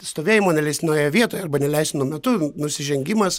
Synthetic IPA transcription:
st̪oːʋʲeːjɪmoːnʲɛlʲɛɪst̪ʲɪnoːjɛʋʲiɛt̪oːjɐɾbɐnʲɛlʲɛɪsʲt̪ʲnuɔmʲɛt̪ʊnʊsʲɪʒʲɛŋʲɡʲɪmɐs

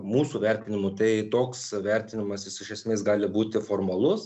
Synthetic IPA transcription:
muːsuːʋʲɛɾʲt̪ʲɪnʲɪmʊt̪ɐɪt̪oːksʋʲɛɾʲt̪ʲɪnʲɪmɐsɪsɪʃʲɛsʲmʲeːsɡɑːlʲɪbuːt̪ʲɪfoːrmɐlˠʊs

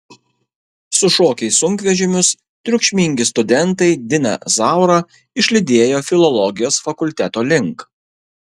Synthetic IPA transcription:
sʊʃoːkʲɛɪsʊŋʲkʋʲɛʒʲɪmʲʊs | t̪ʲɾʲʊkʃʲmʲɪŋʲɡʲɪst̪ʊd̪ʲɛnt̪ɐɪd̪ʲɪnɐ̰zɑˑʊɾɐ | ɪʃʲlʲɪd̪ʲeːjoːfʲɪlˠɔlˠɔɡʲɪjoːsfɐkʊlʲt̪ʲæt̪oːlʲɪŋˑk

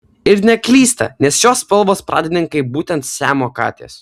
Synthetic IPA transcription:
ɪɾnʲɛklʲiːst̪ɐ̰nʲɛsʃoːspʲɛlˠʋoːspɾʔɑ̰ːd̪ʲɪnʲɪŋkɐɪbuːt̪ʲɛnt̪sʲæːmoːkɑ̰ːt̪ʲḛːs

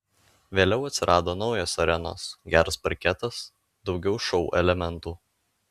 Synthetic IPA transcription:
ʋʲeːlʲɛʊɐt̪ʲsʲɪɾʔɑːd̪oːnɒʊjɛsɐɾʲɛno̰ːsɡʲæːɾɐspɐɾʲkʲɛt̪ɐs | d̪̥ɒʊɡʲɛʊʃɒʊʔɛ̰lʲɛmʲɛnt̪uː

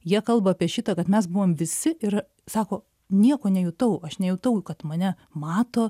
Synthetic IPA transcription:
jiɛkɐlˠbɐːpʲiɛʃʲɪt̪ɐːkɐt̪mʲɛs̬bʊʋoːmʋʲɪsʲɪʔɪr | sɑːkoː | nʲiɛkoːnʲɛjʊt̪ɐʊɐʃnʲɛjʊt̪ɐʊkɐt̪mɐnʲɛ | mɑːt̪oː

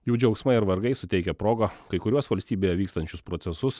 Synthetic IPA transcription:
juːd͡ʒʲɛʊksmɐɪɪɾʋɐɾɡɐɪsʊt̪ʲɛɪkʲɛpɾoːɡɐkɐɪkʊɾʲuɔsʋɐlʲsʲt̪ʲiːbʲeːjɛʋʲiːkst̪ɐnʲt͡ʃʲʊspɾot̪sʲɛsʊs

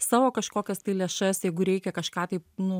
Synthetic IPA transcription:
sɑːʋoːkɐʃkoːkʲɛst̪ɐɪlʲeːʃɐsjɛɪɡʊɾʲɛɪkʲɛkɐʃkɑːt̪ɐɪpnʊ

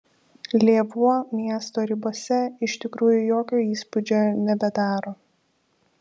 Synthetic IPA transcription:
lʲeːʋuɔmʲiɛst̪oːɾʲɪboːsʲɛɪʃʲt̪ʲɪkɾuːjʊjoːkʲoːiːspʊd͡ʒʲoːnʲɛbʲɛd̪ɑːɾoː

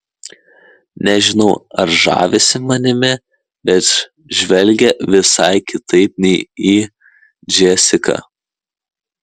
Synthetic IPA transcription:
nʲɛʒʲɪnɐʊɐɾʒɑ̰ːʋʲɪsʲɪmɐnʲɪmʲɛ | bʲɛt̪ | ʒʲʋʲɛlʲɡʲɛʋʲɪsɑɪkʲɪt̪ʰɐɪp̚nʲɛɪiː | d͡ʒʲɛsʲɪkɐ̰

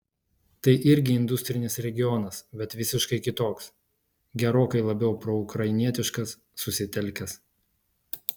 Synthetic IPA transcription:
t̪ɐɪʔɪɾʲɡʲɪɪnd̪ʊsʲt̪ʲɾʲɪnʲɪsɾʲɛɡʲɪjɔnɐsbʲɛt̪ʋʲɪsʲɪʃkɐɪkʲɪt̪oːks | ɡʲɛɾoːkɐɪlˠɐbʲɛʊpɾoʊkɾɐɪɪnʲiɛt̪ʲɪʃkɐsːʊsʲɪt̪ʲɛlʲˑkʲɛs

